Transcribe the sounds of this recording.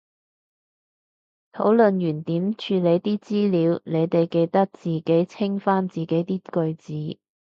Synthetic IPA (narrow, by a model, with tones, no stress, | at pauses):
t̪ʰo˨˥wlɵ˨˧njyː˨˩nt̪iː˨˥mt͡ʃʰyː˧le˨˧jt̪iː˥t͡siː˥liː˨˧wne˨˧jt̪e˨jke˧jt̪ɐ˥k̚t͡siː˨˩ke˨˥jt͡sʰɪ˥ŋfaː˥nt͡siː˨˩ke˨˥jt̪iː˥kɵ˧ɥt͡siː˨˥